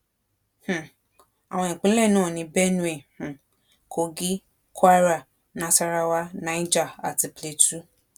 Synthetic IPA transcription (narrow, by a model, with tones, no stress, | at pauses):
h̩˨ | a˨w̃ɔ̃˧ĩ˨k͡pĩ˨˦lɛ˦˨nãː˦˨nĩ˧bɛ˦nũ˦e˨h̩˨ | ko˧ɡi˦ | kwa˦ɾa˦˨ | nã˧sa˧ɾa˧wa˦nã˨˦i˦d͡ʒa˦˨a˨ti˨˧ple˨˦tu˦